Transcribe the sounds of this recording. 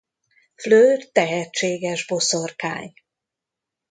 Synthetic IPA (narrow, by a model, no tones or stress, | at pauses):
fløːrt̪ɛɦɛt͡ʃːeːɡɛʒbo̞sorka̰ːɲ